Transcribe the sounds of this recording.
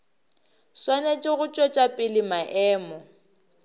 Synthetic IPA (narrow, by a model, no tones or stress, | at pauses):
swanet͡ʃʼɪɣʊt͡ʃʼɔt͡ʃʼapʼɪlɪmaʔɛːmɔ